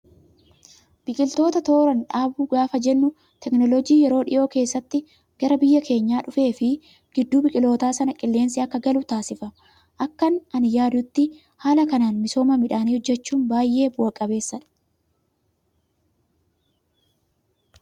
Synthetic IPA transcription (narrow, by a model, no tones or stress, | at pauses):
b̥ɪkʼɪlt̪o̞ːt̪ɐt̪o̞ːɾɐnᶑaːbuːɡaːfɐd͡ʒɛnːʊ | t̪ɛknɔlɔd͡ʒiːjɛɾo̞ːᶑɪ̰ʔo̞ːke̞ːsːɐt̪ːɪ | ɡ̥ɐɾɐbɪjːɐkʰe̞ːɲːaːᶑʊfe̞ːfɪ | ɡ̥ɪd̪ːuːbɪkʼɪlo̞ːt̪aːsɐnɐkʼɪlːe̞ːnsɪɐkːɐɡɐlʊt̪aːsɪfɐ | ʔɐkːɐnɐnɪjaːd̪ʊt̪ːɪ | haːlɐkɐnaːnmɪso̞ːmɐmɪᶑaːniːhɔd͡ʒːɛt͡ʃːuːnbaːjʔe̞ːwɐkʼːɐbe̞ːsːɐᶑɐ̥